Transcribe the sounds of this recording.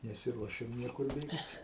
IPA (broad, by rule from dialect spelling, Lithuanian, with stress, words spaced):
nʲɛsʲɪˈruɔʃʲɛm ˈnʲiɛkʊr ˈbʲeːkt